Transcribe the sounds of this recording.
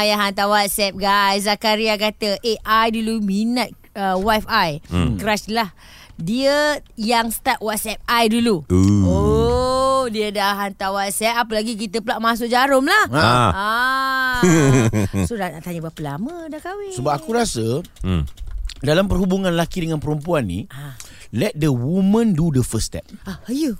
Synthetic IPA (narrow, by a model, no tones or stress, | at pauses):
ajaɦant̪awat̪̚sɛp̚ɡajszakaɾiak̬at̪əʔeʔajduluminãt̪̚ | əwafajkɾaslah | diəjaŋst̪at̪̚wat̪̚sɛp̚ajduluo | diədaɦant̪awat̪̚sɛp̚apəlaɡik̬it̪əpəlaʔmãs̬ʊk̚d͡ʒaɾʊmlaha | sodanaʔt̪aɲəbapəlamə̃dakawisəbap̚akuɾasə | dalampərhubuŋãnlakidəŋãnpəɾumpuanːḭa | lɛt̪̚dəwumə̃ndudəfəst̪ɛ̰p̚aajə